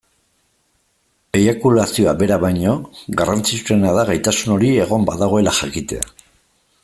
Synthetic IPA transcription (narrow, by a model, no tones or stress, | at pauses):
ejakulasio̞abe̞ɾaβajɲo̞ɣarant͡sit͡sue̞naðaɣajt̪asuno̞ɾie̞ɣo̞mba̰ðaɣ̞o̞e̞laxakit̪e̞̰a̰